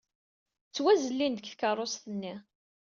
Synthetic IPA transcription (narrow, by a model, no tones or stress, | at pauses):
t͡sːwæzəlːind̪əkθkərˤːost̪ənːi